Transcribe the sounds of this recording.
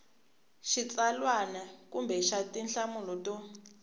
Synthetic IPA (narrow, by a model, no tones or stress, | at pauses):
ʃit͡salwanakumbɛʃatinɬamulɔtɔ